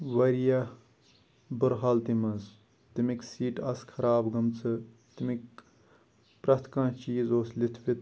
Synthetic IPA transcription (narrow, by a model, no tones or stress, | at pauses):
ʋɐɾijɐ | bɨɾɦaːlt̪imɐz | t̪imiksiːʈɐskʰɐɾaːbɡɐmt͡sʰɨ | t̪imik | pɾɐt̪ʰkãːt͡ʃiːzoːslɪt̪ʰʋit̪